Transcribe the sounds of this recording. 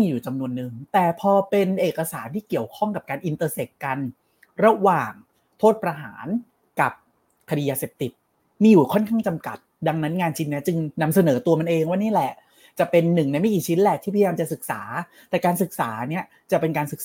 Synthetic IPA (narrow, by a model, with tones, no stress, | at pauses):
jmiː˧juː˨˩t͡ɕa˧mnu˧ənːɯ˨˩ŋt̪ɛː˨˩pʰɔː˧pe˧nʔeː˨˩kːa˧saː˩˦nt̪ʰiː˥˩ki˨˩əwkʰɔ˥˩ŋka˨˩p̚kaː˧nʔi˧nt̪ɤː˧se˨˩k̚ka˧n | ɾa˧waː˨˩ŋ | t̪ʰoː˥˩t̪̚pɾa˧ɦa̰ː˩˦n | ka˨˩p̚ | kʰa˧diː˧jaː˧se˨˩p̚t̪i˨˩t̪̚ | miː˧juː˨˩kʰɔ˥˩nkʰaː˥˩ŋt͡ɕa˧mka̰˨˩t̪̚da˧ŋna˦˥nŋaː˧nt͡ɕʰi˧nːɛ˦˥t͡ɕɯ˧ŋna˧msa˧nɤː˩˦t̪u˧ɐma˧nʔeː˧ŋwaː˥˩niː˥˩lɛ˨˩ʔ | t͡ɕa˨˩pe˧nːɯ˨˩ŋna˧jma˥˩jkiː˨˩t͡ɕʰi˦˥nlɛ˨˩t̪ʰi˥˩pʰːjaː˧mt͡ɕa˨˩sɯ˨˩k̚saː˩˦ | t̪ɛː˨˩kaː˧nsɯ˨˩k̚saː˩˦˧ni˦˥ɐ | t͡ɕa˨˩pe˧nkaː˧nsɯ˨˩k̚